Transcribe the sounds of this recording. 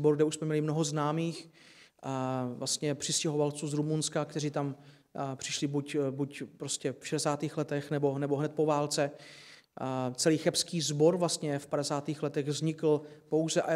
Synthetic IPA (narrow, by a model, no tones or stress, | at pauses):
boɾɡdɛuʃsmɛmɲɛlɪmno̞ɦo̞znaːmiːx | vlast̪ɲɛpr̥ɪscɛɦo̞valt͡suːzɾumunskakt̪ɛr̝iːt̪am | pr̥ɪʃlɪbucbucpɾoscɛfʃɛdɛsaːt̪iːxlɛt̪ɛxnɛbo̞nɛboɦnɛt̪̚po̞vaːlt͡sɛ | t͡sɛliːxɛpskiːzbo̞ɾvlast̪ɲɛfpadɛsaːt̪iːxlɛt̪ɛɣvzɲɪkl̩po̞wzɛʔa